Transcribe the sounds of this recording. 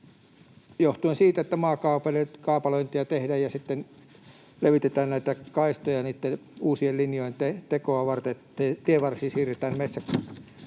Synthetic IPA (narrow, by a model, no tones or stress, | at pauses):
joht̪uensiːt̪æet̪ːæmɑːkɑupelekɑːpɑloint̪iɑt̪ehdæjjɑsit̪ːen | leʋit̪et̪æːnnæit̪ækɑist̪ojɑniːt̪ːeuːsiellinjoint̪et̪ekoɑʋɑrt̪et̪ːet̪ieʋɑrsiːsiːret̪æːnmesːæk